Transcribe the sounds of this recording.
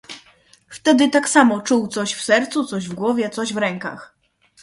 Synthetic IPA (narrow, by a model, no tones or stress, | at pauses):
ft̪ɛd̪ɘt̪aksamɔt͡ʂuwt̪sɔɕfsɛɾt̪sut̪sɔʑvɡwɔvʲjɛt̪sɔʑvɾɛŋka̰x